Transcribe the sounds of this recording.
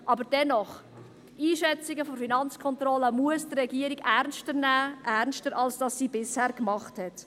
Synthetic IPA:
ʔɑbəɾd̥ɛnɔχ | iːʃɛt͡sɪɡəfofinɑnt͡skʰɔnt̪rɔləmuəsdrɛɡiəɾiɡæɾnstəɾnæːʔæɾnstəɾʔɑlsd̥ɑsːiːbɪshɛːɾkmɑχthɛt

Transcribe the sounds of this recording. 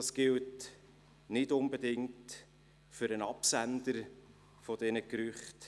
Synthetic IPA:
ɑsɡ̥ɪlt | nɪdʊnbedɪŋt | fʏɾənɑpsænd̪əɾ | fɔd̥ɛnəkɾʏχt

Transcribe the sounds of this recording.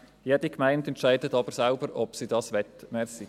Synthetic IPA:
jeːdikmaɪntɛntt͡ʃaɪdətɑbəɾsaʊbəɾɔpsidɑsʋɛtmeːsi

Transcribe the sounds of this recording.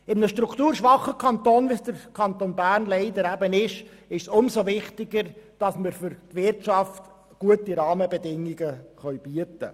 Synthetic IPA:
ɪmnəʃtɾukt̪uːɾʃʋɑχːəkʰɑnt̪oːnvisd̥əɾkʰɑnt̪oːnbæːrnlɛɪdəɾæbənɪʃ | ɪʃsʊmsovɪχtɪɡəɾd̥ɑsməɾfʏɾtʋɪrtt͡ʃɑft | ɡ̥uətiɾɑːməbɛdɪŋːiɡəχœɥb̥yətə

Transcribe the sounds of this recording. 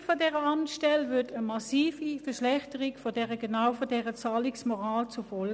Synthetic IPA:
fodɛːʁəɑmtʃtɛlvʏɐtəmɑsiːfifɛɐʃlɛχtəʁikfodɛʁəɡənawfodɛʁət͡saːliksmɔʁaːlt͡sufɔl

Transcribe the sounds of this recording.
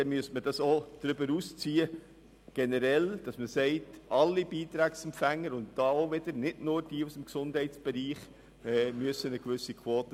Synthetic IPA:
ɛnmyəstməd̥ɑsod̥ɾʏbəɾuːst͡siːə | ɡ̥ɛnəɾɛld̥ɑsməsɛɪtɑlːibiːtɾæːksɛmpfæŋːəɾʊnt̚d̥ɑːoʋɪd̥əɾnɪdnʊːɾd̥iːusəmksʊnd̥ɦɛɪtt͡sb̥ɛɾiːχ | ɛːmyəsənəkʋʏsikʰwoːtə

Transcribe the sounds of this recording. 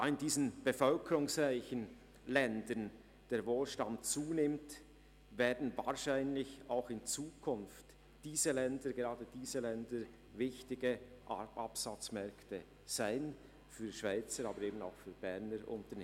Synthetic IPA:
ɪndiːzn̩b̥əfœlkʰəɾʊŋsʁaɪçən | lɛndən | d̥eːɐɾvoːlʃtantt͡suːnɪmt | veːdn̩va̰ːʁʃaɪnlɪçaʊxɪnt͡suːkʰʊnft | d̥iːzəlɛndəɡeʁaːdəd̥iːzəlɛndəɾ | vɪçtɪɡəʔapsat͡smɛɐktə | z̥aɪn | fyːʃv̥aɪt͡səɾaːbəɾeːbn̩a̰ʊxfyːbɛʁnəɾʔʊ̰ntəne

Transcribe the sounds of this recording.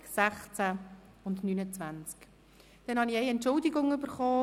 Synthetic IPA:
sæχt͡sæ | ʊndnynət͡sʋant͡sk | d̥ɛnhɑniɛɪɛntʃʊldɪɡʊŋʏbəɾχɔː

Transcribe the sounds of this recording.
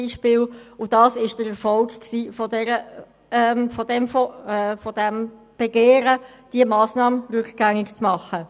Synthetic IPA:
iʃpɪːlʊd̥ɑːsɪʃd̥əɾɛɾfɔlkksiːfɔdɛɾə | ɛfɔdɛmfɔfɔd̥ɛm | b̥eɡeːɾə | d̥iəmɑːsnɑːməʁʉkɡ̥æŋɪɡt͡smɑχə

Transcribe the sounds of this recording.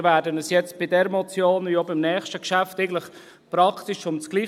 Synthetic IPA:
væːɾdənəsjɛt͡sb̥ɪdɛɾəmɔt͡sjoːnjɔbɪmnɛːχʃtəkʃæfteɪɡən̩ləχ | pɾɑkʰt̪iʃʊnsɡ̥liː

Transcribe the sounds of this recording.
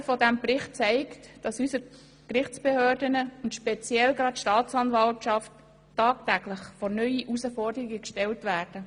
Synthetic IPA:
fɔdæmprɪχt̚t͡sæɪktd̥ɑsysəɾ | kɾɪχt͡sb̥ehøːdənəʊntʃpɛt͡sjɛlɡɾɑtʃtɑːt͡sɑnvɑltʃɑft | tːɑːk̚tæɡlɪχfɔɾnœʏiʔusəfɔrdəɾɪɡəkʃtɛltʋæːd̥ə

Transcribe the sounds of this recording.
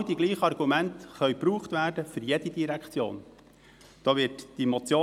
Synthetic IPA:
diɡliːχəɑrɡumæntχœʏpɾuːχt̪væːɾdəfʏɾjɛd̥id̥iɾækt͡sjo̰ːn | d̥ɑːʋɪtd̥imɔt͡sjoː

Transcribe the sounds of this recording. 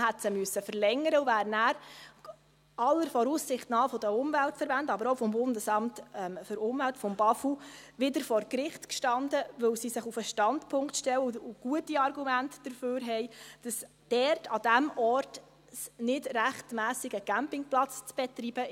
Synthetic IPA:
ɦɛtsəmʏsːəfəɾlɛŋːəɾəʊvæːɾnæːɾ | ɑlːəɾfɔɾuːssɪχtnɑːfɔd̥əʊmvæltfəɾbændɑbəɾɔʊfɔmbʊndəsɑmtɛmfʏɾʊmvæltfɔmbɑfuʋɪdəɾfɔɾkɾɪχtkʃtɑndəʋɵwsisɪχufəʃtɑntpʰʊŋktʃtɛwəʊuɡ̥uətiɑɾɡumæntd̥əɾføːɾɦɛɪd̥ɑs | d̥ɛrtʰɑd̥æmɔɾt | snɪdɾæχtmæːsɪɡəɡ̥æmpɪŋplɑt͡st͡sb̥ɛtɾib̥ə

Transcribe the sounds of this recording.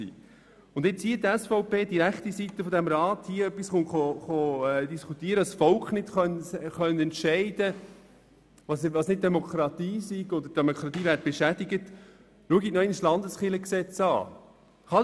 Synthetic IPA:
ḭː | ʊndɪt͡shiːətdɛsfɔʊpeːd̥iɾækχtisit̪ːəfɔdæmɾɑːt̪hiːəœpːisχʊnχɔχɔd̪iskʰut̪iːəɾəɑsfɔlkχnɪtχœnχœnəɛnt̪ʃɛɪd̥ə | ʋɑsʋɑːsnɪt̚d̥ɛmokʰɾɑt̪iːsiɡ̥ɔdəd̥ɛmokʰɾɑt̪iːvæːɾt̚b̥ɛʃæd̥iɡət | luəɡinɔɪnslɑnd̪əsχɪləksɛt͡sɑ̰ː | χɑ

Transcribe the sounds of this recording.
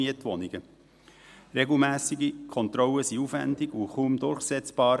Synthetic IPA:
iətʋɔnɪɡə | ɾeɡl̩ˠmæːsiɡikʰɔnt̪ɾɔləsiufæ̰ndɪɡuχuːmd̪ʊɾχsɛt͡sb̥ɑːɾ

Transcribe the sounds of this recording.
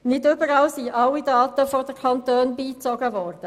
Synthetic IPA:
nɪdøbəɾɑlsiʔɑwːidɑːtəfɔdəkʰɑntøːnbiːt͡sɔɡəvɔːɾdə

